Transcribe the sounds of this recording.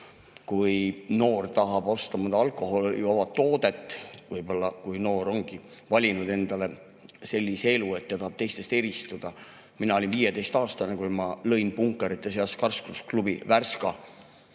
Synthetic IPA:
kujno̞ːrt̪ɑɦɑb̥o̞st̪ɑmɑd̪ɑɑlkˑo̞ɦo̞luovɑt̪ːo̞ːd̪̥e̞t̪ˑːvɯjb̥o̞lːɑkujno̞ːɾo̞ŋɡ̥i | vɑlʲinud̪e̞nd̪̥ɑle̞ | se̞lʲːisee̞luet̪ːjɑt̪ɑhɑb̥̚t̪e̞jst̪e̞st̪e̞ɾist̪ud̪̥ɑ | minɑolinviːjed̪e̞jst̪ɑːst̪ɑnekujmɑlɤjnpuŋkˑːeɾit̪ːˑes̬eɑskɑrsklusklub̥ḭværskɑ

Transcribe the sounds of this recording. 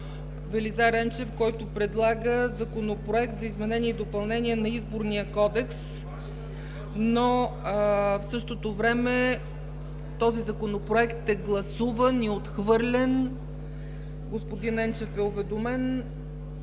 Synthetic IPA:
vɛlizaɾɛnt͡ʃɛfkɔjt̪ʊpɾɛd̪lˠaɡəzɐkonopɾoɛkt̪zɐizmɛnɛnʲiɛid̪opɐlˠnɛniɛnɐizboɾnijəkɔd̪ɛks | no | fsɤʃt̪ot̪ovɾɛmɛ | t̪ɔzizɐkonopɾoɛkt̪ɛɡlˠɐsuvəniot̪xvɤɾlʲɛn | ɡospʊd̪inɛnt͡ʃɛfɛʊvɛd̪omɛn

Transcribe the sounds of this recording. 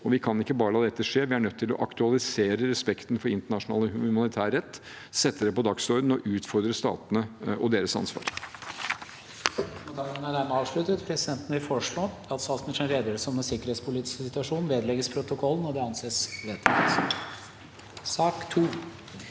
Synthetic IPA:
ɔʋɪkʰɑnɪkːəbɑːɾəlɑːd̪ɛt̪ːəʂeːɾʋɪæɳœt̪ʰːɪlɔ̰ʔɑkt̪ʉɑlɪseːɾəɾɛspɛkt̪n̩fɔɾɪnt̪əɳɑʂʊnɑ̰ːləʉmɑnɪt̪ʰæːɾɛt̪ː | sɛt̪ːəd̪ɛpɔd̪ɑksɔɾd̪n̩ɔʔʉːt̪fɔɾd̪ɾəst̪ɑ̰ːt̪ənəʔɔd̪eːɾəsɑ̰nsʋɑ̰ːɾ | ɔt̪ɑːɡənənæd̪æɾməɑːʋʂɭʉt̪ət̪pʰɾɛsɪd̪ɛnt̪ənəʋɪlfɔʂɭoː | ɑt̪sɑlsmɪʂənɾeːd̪əsɔmɛnsɪkːəɾeːt̪spʰʊliːt̪ɪ̥ssɪt̪ʉɑʂuːnʋeːd̪lɛɡəspʰɾʊt̪ʊkʰɔlːən̩ɔɖ̪ɛɑnseːsʋeːt̪ːɪ̰t̪ | sɑːkt̪ʰuː

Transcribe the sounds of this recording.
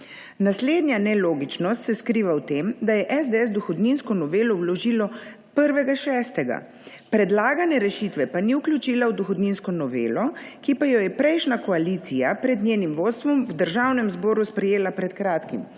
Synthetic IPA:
nasleːd̪nʲjanɛloːɡit͡ʃnɔst̪sɛskɾiːʋawt̪emd̪ajɛʔɛzd̪eɛsd̪ɔxɔd̪ninskɔnɔʋeːlɔwlɔʒilɔ | pəɾʋɛɡaʃɛːst̪ɛɡa̰ | pɾɛd̪laːɡanɛɾɛʃiːt̪ʋɛpaniuklʲjut͡ʃiːlawd̪ɔxɔd̪ninskɔnɔʋḛːlɔkipajɔjɛpɾɛjʃnakɔaliːt̪sijapɾɛd̪nʲjeːnimʋoːt̪st̪ʋɔmwd̪əɾʒawnɛmzbɔːɾuspɾɛjeːlapɾɛt̪kɾaːt̪kim

